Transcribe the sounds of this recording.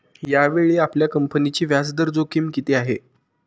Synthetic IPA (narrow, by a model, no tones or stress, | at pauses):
jaʋeɭiːapljakəmpənit͡ɕiːʋjasd̪əɾd͡zokimkit̪eaɦe